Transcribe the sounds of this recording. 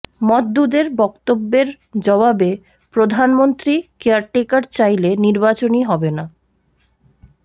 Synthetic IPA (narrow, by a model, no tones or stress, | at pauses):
mɔt̪̚d̪ud̪eɾbɔk̚t̪obːeɾ | d͡ʑɔβabe | pɾod̪ʱanmont̪ɾikeaɾʈekaɾt͡ɕajleniɾbat͡ɕoniɦɔbena